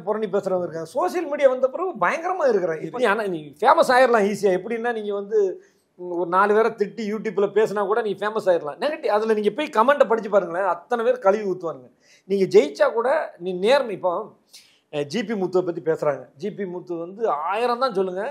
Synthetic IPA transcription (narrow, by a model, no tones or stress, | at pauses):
pɔɾɐɳip̬eːsɾɐʋaːŋɡɐɪɾɯkːaːŋɐsoːʂɪjɐlmiːɽɪjaːʋɐnd̪ɐp̬ːɯɾɐʋɯbɐjɐŋɡɐɾɐmaːɪɾɯkːɪɾãːɪniːɐnanĩfeːmɐsaːjɪɾɐlãːiːsɪjaːɛpːɐɽɪɪnːaːniːŋɡɐʋɐnd̪ɯ | ɔɾɯnaːlɯʋeːɾɐt̪ɪʈːɯjuːʈjuːpɪlɐpeːsɯnaːkuːɽɐniːŋɡɐfeːmɐsaːjɪɾɐlãːnẽɡɐʈːiɐðɪlɐniːŋɡɐɛpːoːjkɐmɛɳɖɐpɐɽɪt͡ʃːɯpːaːɾɯŋɡɐɭɐɐt̪ːɐnɐpeːɾkɐlɪʋuːt̪ːɯʋaːɾɯŋɡɐ | niːŋɡɐd͡ʒɛjt͡ʃːaːkuːɽɐnĩːneːɾmɪpːo | d͡ʒiːp̬imut̪ːuʋɐp̬ɐt̪ːipeːsɾaːŋɡɐd͡ʒiːpimut̪ːʋɐnd̪ɯaːjɪɾɐ̃nt̪ãːsɔlːɯŋɡɐ